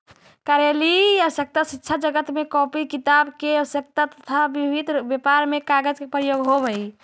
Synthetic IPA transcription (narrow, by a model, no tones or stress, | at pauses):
kaɾjaliəsjək̚t̪asitːʃʰad͡ʒəɡət̪mekɔpikit̪abkeəʋəsjək̚t̪at̪ət̪ʰabibʱid̪ʱbepaɾmekaɡəd͡ʒkepɾəjoɡɦobəi